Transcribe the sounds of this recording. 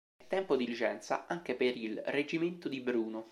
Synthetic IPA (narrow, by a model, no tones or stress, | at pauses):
ɛt̪ːɛmpod̪ilit͡ʃɛnt̪sa̰aŋk̟epeɾilred͡ʒiment̪od̪ibɾuːno